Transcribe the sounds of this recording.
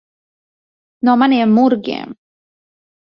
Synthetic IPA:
nɔmanemːuɾɡḛm

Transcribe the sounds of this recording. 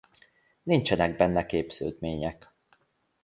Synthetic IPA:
nint͡ʃɛnɛɡ̚bɛnːɛkeːbz̥ø̰lt̪meːɲɛk

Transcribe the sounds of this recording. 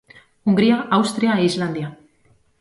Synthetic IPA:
uŋɡɾiaawst̪ɾiaeizland̪ja

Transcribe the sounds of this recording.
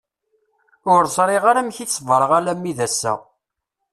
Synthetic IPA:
ʊɾsˤɾˤiʁaɾæmçit͡sːvɾˤəʁalæmːiðæsːæ̰

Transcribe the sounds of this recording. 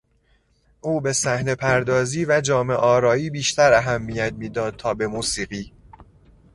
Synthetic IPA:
ʔuːbe̞sæhne̞pʰæɾd̪ɒːziːvæd͡ʒɒːme̞ʔɒːɾɒːiːbiːʃt̪ʰæɾæɦæmːijæt̪̚miːd̪ɒːd̪̚t̪ʰɒːbe̞muːsiːɣiː

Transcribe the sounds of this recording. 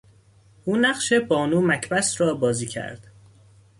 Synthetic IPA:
ʔuːnæɢʃe̞bɒːnuːmæcʰbæsɾɒːbɒːziːcʰæ̰ɾd̪̥

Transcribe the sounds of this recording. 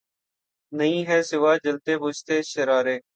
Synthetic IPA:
nəĩːɦɛːsɪʋaːd͡ʒəlt̪eːbʊst̪eːʃəɾaːɾeː

